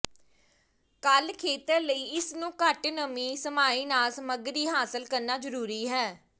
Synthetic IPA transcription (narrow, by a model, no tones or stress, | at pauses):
kəlkʰeːt̪əɾləiːɪsnũːkəʈnəmĩːsəmaːiːnaːlsəməɡɾiːɦaːsəlkəɾnaːzəɾuːɾiːɦɛː